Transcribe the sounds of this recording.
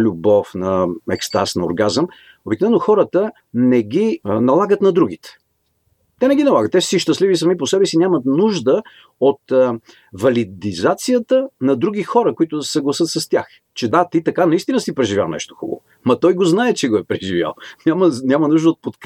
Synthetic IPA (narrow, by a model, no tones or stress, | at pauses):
lʲʊbɔfnɐɛ̰kst̪a̰snɐo̰ɾɡazəm | obiknovɛnːoxɔɾət̪ə | nɛɡʲinɐlˠaɡət̪nɐd̪ɾuɡ̟it̪ɛ̥ | t̪ɛnɛɡʲinɐlˠaɡət̪ːɛssiʃt̪ɐslivis̬ɐmiposɛbɛsinʲamɐt̪nuʒd̪ə | ot̪ | vɐlid̪izat̪sijət̪ənɐd̪ɾuɡ̟ixɔɾəkoit̪ʊsɛɡlˠɐsɤt̪sɐst̪ʲax | t͡ʃɛd̪at̪it̪ɐkanɐist̪inəsipɾɛʒivʲja̰lnɛ̰ʃt̪o̥xubə̰vo̰ | mɐt̪ɔjɡoznaɛt͡ʃɛɡoɛpɾɛʒivʲja̰lˠnʲamənʲamɐnuʒd̪əot̪̚pot̪k